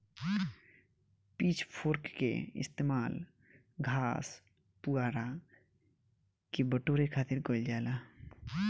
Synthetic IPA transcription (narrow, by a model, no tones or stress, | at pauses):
pit͡ʃʰpʰoːɾkkḛɪ̰st̪eːmaːl | ɡʱaːs | puaːɾa | kibəʈoɾekʰaːt̪ɪɾkold͡ʒaːla